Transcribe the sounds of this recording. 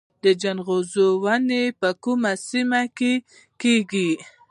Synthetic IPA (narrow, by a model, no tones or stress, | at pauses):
d̪əd͡ʒanɣozowanepəkumasimake | keɡi